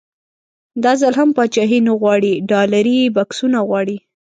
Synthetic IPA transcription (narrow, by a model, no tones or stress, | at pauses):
d̪ɑzəlɦampɑt͡ʃɑɦinoɣwɑɽiɖɑlaɾibɑksunaɣwɑɽi